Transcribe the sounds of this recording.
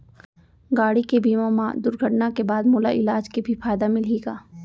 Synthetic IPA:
ɡaːɽikebiːmamad̪ʊɾɡʱəʈnakebaːd̪moːlaʔɪlaːd͡ʒkibʱifaːjd̪amɪleːɡaː

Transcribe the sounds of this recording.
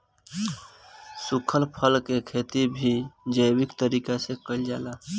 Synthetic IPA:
sukʰəlpʰəlkekʰet̪ibʱid͡ʒəjbikt̪əɾiːkasekəld͡ʒala

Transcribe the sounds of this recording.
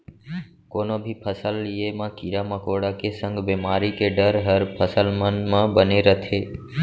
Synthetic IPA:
koːnobʱipʰəsəlːiemãkiɾamãkoɽakesə̃ŋɡbemaːɾikeɖəɾɦəɾpʰəsəlmənmãbəneɾət̪ʰeː

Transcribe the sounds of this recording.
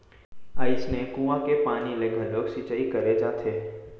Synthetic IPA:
əɪsnekũːʋãkepaːnileɡʱəloːksit͡ʃəikɐɾed͡ʒaːt̪ʰeː

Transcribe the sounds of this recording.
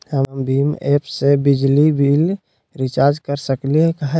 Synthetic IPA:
həmbiːmeːpʰsebɪd͡ʒlibil | ɾɪt͡ʃaːɾd͡ʒkəɾsəkliekəɦe

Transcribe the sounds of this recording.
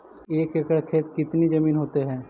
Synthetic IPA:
eːkekəɽkʰeːt̪̚kɪt̪nid͡ʒɐmiːnɦoːt̪eɦɛ̃ː

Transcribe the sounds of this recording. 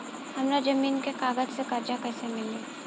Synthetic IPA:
hɐmɾad͡ʒɐmiːnkekaːɡəd͡ʒsekɐɾd͡ʒakɛːsemɪleː

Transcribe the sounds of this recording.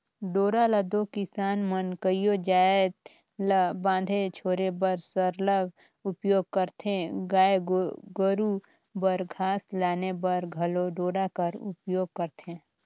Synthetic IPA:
ɖoːɾaləd̪okɪsaːnmənkəijod͡ʒaːet̪ | labãːnd̪ʱet͡ʃʰoːɾebəɾsəɾləɡ | ʊpjoːɡ̚kəɾt̪ʰẽɡaːeɡɡəɾu | bəɾɡʱaːslaːnebəɾɡʱəloɖoːɽakəɾʊ̰pjoːɡ̚kəɾt̪ẽː

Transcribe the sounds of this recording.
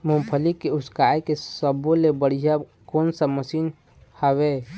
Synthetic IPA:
mõmpʰəlikeʊskajkeəbõlebəɽ̤ija | koːnsəməsiːn | həwe

